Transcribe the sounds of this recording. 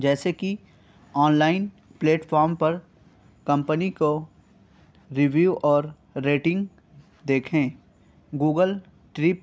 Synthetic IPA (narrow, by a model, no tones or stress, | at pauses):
d͡ʒɛːseki | ɔːnlaːɪn | pleːʈfʰɔːɾmpɐɾ | kɐ̃mpəniko | ɾiʋjuːʔɔːɾː | eːʈɪ̃ŋɡ | d̪eːkʰẽː | ɡuːɡəl | ʈɾɪp̚